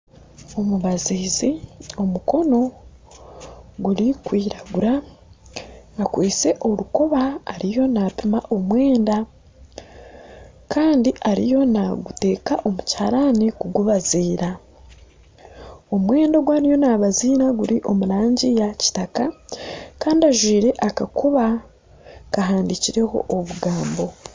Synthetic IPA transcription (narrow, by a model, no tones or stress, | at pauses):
o̞muβaziːzio̞muko̞no̞ | ɡuɾikwiːɾaɡuɾa | kwiːt͡se̞ʔo̞ɾuko̞βaːɾijo̞naːpimaʔo̞mwe̞ːnda | kʰaːndiʔaɾḭjo̞naɡute̞ːkaʔo̞mucaːɾanikuɡuβaziːɾa | o̞mwe̞ːndoɡwaːɾijo̞naβaziːɾaɡuɾiʔo̞muɾaːɲɟijaci̥takakaːndiaʒwiːɾe̞ʔakakʰoβa | kaɦaːndiciɾe̞ho̞̰ʔːβuɡaːmbo̞